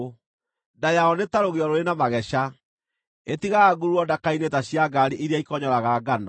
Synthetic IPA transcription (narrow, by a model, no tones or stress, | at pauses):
dajaɔnetaɾoɣeɔɾoɾenamaɣɛɕa | etiɣaɡuɾuɔdakainetaɕiaɡaɾiʔiɾeaikɔɲɔɾaɣaɡanɔ